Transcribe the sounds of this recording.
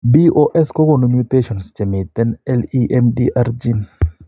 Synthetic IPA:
bi˦oʔɛ˦sko˦ɡo˨nomju˦t̪e˦ʃɔ˨nst͡ʃɛ˨mɪ˨t̪ɛ˦nɛ˦liʔɛmdi˦ʔa˦ɾd͡ʒi˦n

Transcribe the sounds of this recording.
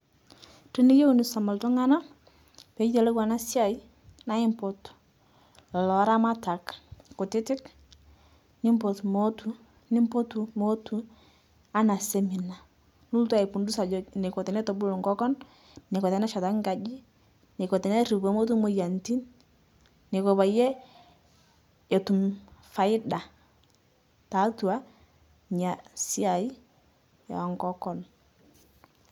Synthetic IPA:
ti˦ni˦je˦u˨ni˨sa˨ma˨ltɔ˦ŋa˦na˦ | pe˨˦d͡ʒi˦te˨lɛ˦ɡwa˨na˦sja˦˨i˦ | na˦ɪ˦mpɔ˨t | lɔ˨lɔ˨˦ɾa˦ma˦ta˨kko˨tɪ˦tɪ˦k | nɪ˦mpo˨tmo˦tʰu˨˦ | nɪ˦mpo˦tu˨mo˦tu˨ | a˦na˨se˦mi˨na˨ | nu˦ltu˦a˦˨i˨pu˨ndu˦sa˨d͡ʒɔ˨ne˨kɔ˨tɛ˨nɛ˦tɔ˨bu˦lɔ˨ŋɡɔ˦kɔ˦nː | ɛ˨kɔ˨tɛ˨nɛ˦ʃa˨ta˦ŋɡa˨d͡ʒi˦ | nɛ˨kɔ˨tɛ˨nɛ˦ɾi˨bɔ˦mo˦tu˦mo˦ja˨nti˦nː | e˨kɔ˨ba˨jɛ˦ | ɔ˨tu˨mfa˨ɪ˦da˨ | ta˨˦tu˨a˦ | ɲa˨si˦a˨i˦ | jɔ̰˨ŋkɔ˦kɔ˨n

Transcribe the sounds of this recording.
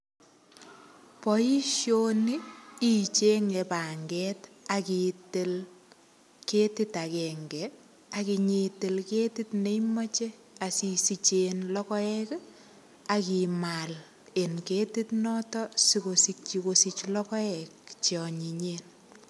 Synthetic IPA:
pɔi˦ʃjoniː˦ | t͡ʃe˦ŋe˨pa˨ŋɡɛtakitɪ˦l | ke˦tɪ˦ta˨kɛŋɡɛ | aki˨ɲetɪ˨lke˦titne˦jma˦t͡ʃe˦ | a˨sisi˨t͡ʃenlɔ˦kɔ˦ɛ˦k | aki˨mal | e˨nketi˦tnɔtɔsikosik̚t͡ʃikosit͡ʃlɔ˦kɔ˦ɛkt͡ʃɔ˨ɲiɲeːn

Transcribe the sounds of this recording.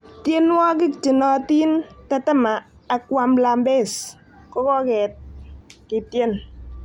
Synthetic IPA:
tje˦n˦wɔ˦k̬ɪ˦˨kt͡ʃi˨nɔ˦ti˦nta˦tɛ˦maː˨ | kwa˦mla˨mbe˦˨s | kɔ˦kɔ˦kɛ˨t̚kɪ˨tje˦n

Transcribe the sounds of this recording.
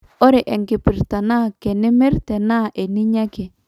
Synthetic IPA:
o˦ɾe˨ʔɛ˨ŋkɪ˨pɪ˨ɾta˨na˦˨kɛ˨nɪ˦mɪ˦rtɛ˨na˦˨ʔe˨nɪ˦ɲa˦ke˨

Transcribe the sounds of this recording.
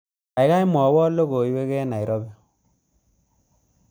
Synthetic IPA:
a˨i˦ɣa˦i˦mɔ˨wɔ˦lo˦ɣo˨i˦we˦ɣɛ˦na˨i˨ɾɔ˦bɛ˦

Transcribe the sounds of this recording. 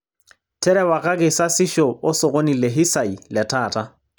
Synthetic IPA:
tʰɛ˦ɾɛwa˨kʼa˦kʼɪ˨sa˦sɪ˦ʃɔ˨ʊ˦sɔ˨kʼo˦ni˨le˨ɦɪ˦sa˨i˨lɛ˨tʰaː˨tʰʼa˦

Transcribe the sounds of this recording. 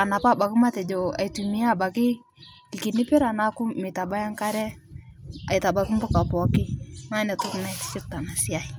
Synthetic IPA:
a˨na˨pa˦˨ba˨kɪ˦ma˦tɛ˨d͡ʒɔ˨a̰˨i˨tu˨mi˦a˦˨ba˨kɪ˦ | kɪ˨kɪ˨nɪ˦pɪ˦ɾa˨na˦kʊ˦mɪ˨ta˨ba˦ja˦ŋka˦ɾɛ˦ | a̰˨ɪ˨ta˨ba˨kɪ˦mbʊ˦ka˨pɔ˨˦kɪ˦ŋa˦nɛ˨tʊ˦kna˦ɪ˨tɪ̥˦sɪ˦p̚ta˨na˨sɪ˦a˦i˨

